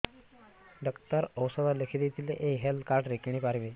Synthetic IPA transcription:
ɖəkt̪əɾəwsəd̪alekʰid̪et̪ʰileʔeɦelkaɾʈɾekiɳ̃iːpaɾʋe

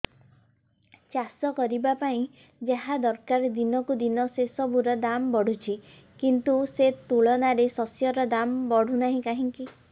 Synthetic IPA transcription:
t͡ʃasɔkɔɾibapaĩ | d͡ʒaɦad̪ɔɾkaɾd̪inɔkud̪inɔsesɔbʱuɾɔd̪ambɔɽ̤ut͡ʃʰi | kint̪uset̪uɭɔnaɾesɔsjɔɾɔd̪ambɔɽ̤ʱunaɦĩkaɦiŋki

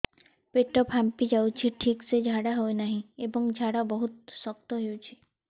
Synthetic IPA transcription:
peʈɔpɦampid͡ʒawt͡ʃʰiʈʰiksed͡ʒʱaɽaɦoenaɦĩebɔŋd͡ʒʱaɽabɔɦut̪̚sɔkt̪ɔɦewt͡ʃʰi̥

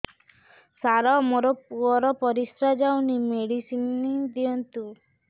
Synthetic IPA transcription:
saɾɔmoɾɔpuɔɾɔpɔɾisɾad͡ʒawnimeɽisinid̪iɔnt̪u

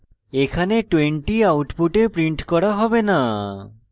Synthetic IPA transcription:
ekʰaneʈweɳʈiawʈpuʈepɾiɳʈkɔɽaɦɔbena

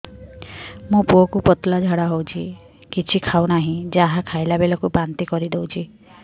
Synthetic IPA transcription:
mũpuɔkupɔt̪lad͡ʒʱaɽaɦowt͡ʃʰi | kit͡ʃʰikʰawnaɦĩd͡ʒaɦakʰajlabelɔkupant̪ikɔɾid̪ewt͡ʃʰi

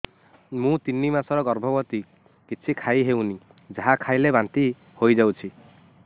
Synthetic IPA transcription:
mũt̪inːimasɔɾɔɡɔɾbʱɔbɔt̪i | kit͡ʃʰikʰaiɦewni | d͡ʒaɦakʰajlebant̪i | hojd͡ʒawt͡ʃʰi

